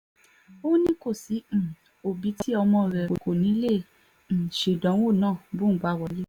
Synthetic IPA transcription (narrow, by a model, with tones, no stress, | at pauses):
o˦nĩ˦ko˦˨sĩ˨˦˨ | o˨bi˨˦tʰi˦ɔ˧mɔ̃˧˨ɾɛ˨ko˨ko˨nĩ˨˦lẽ˦˨ | ʃe˨dɔ̃˨˦o˦˨nãː˦˨bũ˦˨˦ɡ͡ba˨˦˨wɔ˧le˦˨